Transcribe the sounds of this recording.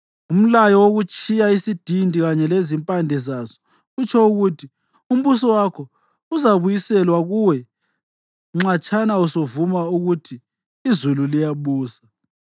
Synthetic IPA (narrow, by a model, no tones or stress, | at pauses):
um̩lajɔwoɣut͡ʃʼijaisid̥ʱindʱiɣaɲɛlezimpʼandʱɛzasɔ̥ | ut͡ʃʰʼɔuɣutʰi | um̩βusɔwakʰɔ | uzaβujisɛlwaɣuwɛ | ŋ͡ǁat͡ʃʼanausovumauɣutʰiː | zululijaβuːsḁ